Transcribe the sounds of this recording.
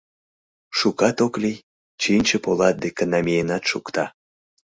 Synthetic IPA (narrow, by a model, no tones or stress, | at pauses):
ʃukɑt̪oklij | t͡ɕinʲt͡ɕepolɑt̪̚d̪ekənɑmʲijenɑt̪ʃṵkt̪ɑ